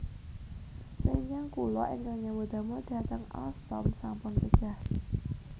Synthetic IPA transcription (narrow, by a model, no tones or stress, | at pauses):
seɲt͡ʃaŋkulɔ̰ʔɪŋkaŋɲabod̪̥a̤moɖ̪̥a̤t̪əŋa̰st̪ɔmsampʊnkəd̥ʒ̥a̤h